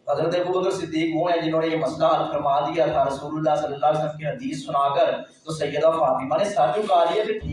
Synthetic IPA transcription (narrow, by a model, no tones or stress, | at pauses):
ɦəzɾət̪eːbuːʊd̪əɾsɪd̪ːiːkɦõːɛ̃ːd͡ʒɪnõːneːeːməslaːəlfʰəɾmaːd̪ijaːt̪ʰaːɾəsuːlʊlːaːsəlːəlːaːleːsələmkiɦəd̪iːsːʊnaːkəɾ | t̪oːsəjːəd̪aːfaːpiːmãːneːsad͡ʒũːkaːliːɛːpɪʈʰː